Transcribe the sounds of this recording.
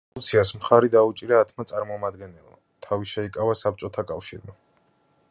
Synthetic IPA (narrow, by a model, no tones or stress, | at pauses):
lut̪sʰiasmχaɾid̪aut͡ʃʼiɾaːt̪ʰmat̪sʼaɾmɔmad̪̚ɡɛnɛlˠma | t̪ʰaviʃɛikʼavasap̚t͡ʃ̪ʼɔt̪ʰakʼafʃḭɾma